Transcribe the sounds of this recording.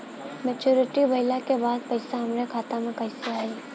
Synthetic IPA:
mɛːt͡ʃuːɾɪʈiʋɐɪlakebaːd̪̚pɐɪsaɦɐmɾekʰaːt̪ãmẽkɐɪseaːiː

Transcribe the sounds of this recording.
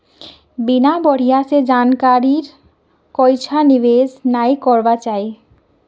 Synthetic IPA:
binabɔɽ̤ijased͡ʑankaɾiɾ | kɔjt͡ʃʰaniβed͡ʑnajkɔɾbat͡ɕae

